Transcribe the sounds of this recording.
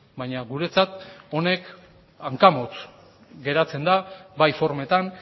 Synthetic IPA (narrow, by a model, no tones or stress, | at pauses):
bajɲaɣuɾe̞t͡sat̪o̞ne̞k | aŋkamot͡s | ɡe̞ɾat͡se̞nd̪abajfo̞ɾme̞t̪an